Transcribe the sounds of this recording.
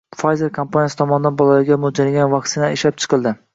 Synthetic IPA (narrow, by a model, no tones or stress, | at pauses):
fajze̞ɾkʰompʰanjasɪt̪ʰɒmɒnɪd̪anbɒlˠalaɾɡʲamod͡ʒalaɡʲanvɑkʲsɪnaeʃlap̚t͡ʃʰɨ̥qɨlˠd̪ɪ